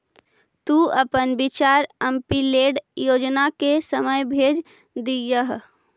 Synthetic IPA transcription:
t̪uːəpənbɪt͡ʃaːɾəmpileːɖjoːd͡ʒnakesəməjbʱeːd͡ʒ | d̪ijəɦ

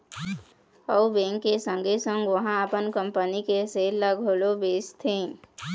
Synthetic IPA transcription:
ɔubẽːŋkːesə̃ŋɡʱesə̃ŋɡʋəɦãəpənkə̃mpənikeseːləɡʱoːlobeːst̪ʰẽː

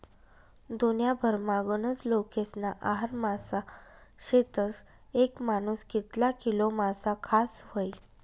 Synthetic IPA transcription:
d̪onjabʱəɾmaɡənət͡slokesnaʔaɦaɾmasaɕet̪əs | ekmanuskit̪lakilomasakʰasʋəj

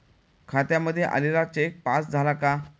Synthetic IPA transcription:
kʰat̪jaməd̪ʱːjeʔa̰lelat͡ɕek̚pasd͡zʱalaka

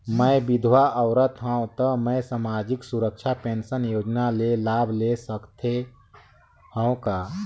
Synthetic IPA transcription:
mə̃bɪd̪ʱwaʔəwɾət̪ɦə̃õt̪əmə̃samaːd͡ʒɪksuɾəkʃʰapẽːnsənjoːd͡ʒnalelaːbʱlesəkt̪ʰe | ɦə̃õkaː

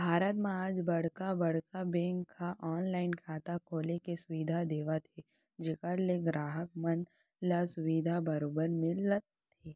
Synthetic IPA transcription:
bʱaːɾət̪mẽaːd͡ʒbɐɽ̤kabɐɽ̤kabẽːŋkʰːaʔɔːnlaːɪnkʰaːt̪akʰoːlekesʊʋid̪ʱad̪eːʋat̪ʰe | d͡ʒɪkəɾleɡɾaːɦək̚mən | lasʊʋiːd̪ʱabɐɾoːbəɾmɪ̃lət̪ʰː | eː

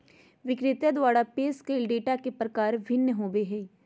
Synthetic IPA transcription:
ʋɪkɾɪt̪jəd̪ʋaːɽapeːskeːlɖeːʈakepɾɐkaːɾʋɪnjəɦoːbeɦɛː

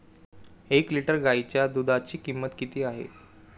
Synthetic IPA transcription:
ekliʈəɾɡait͡ɕjad̪ud̪at͡ɕiːkimːət̪kit̪iːaɦḛ

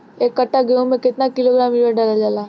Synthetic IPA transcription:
eːkːɐʈːaɡeũmẽkɪt̪nakɪloɡɾaːmiʋeɖaːlad͡ʒaːlaː

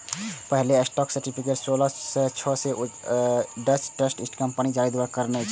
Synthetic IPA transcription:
pəɦleəsʈɔːksəɾʈipʰikeʈsoləset͡ʃʰɔse | ɖət͡ʃʈəsʈisʈkəmpənid͡ʒaːɾid̪ewakəɾnɛt͡ʃʰ

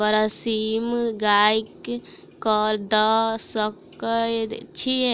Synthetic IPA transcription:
bəɾəsimɡajkː | əɾd̪əsəkəjt͡ʃʰi

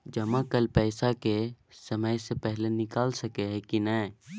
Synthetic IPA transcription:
d͡ʒɐmãkəlpɛːsakesəməjsepɛɦlenɪkaːlsəkeɦɛkinɛː

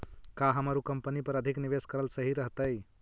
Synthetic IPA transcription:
kaɦəmaɾukəmpənipəɾəd̪ʱikniʋeskəɾəlsəɦiɾəɦt̪əj

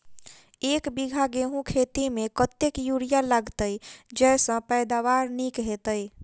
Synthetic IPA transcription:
ekbiɡʱaɡeɦũkʰet̪imekət̪ːekjuɽijaləɡt̪əjd͡ʒɛsə̃pɛjd̪aʋaɾnikɦet̪əj

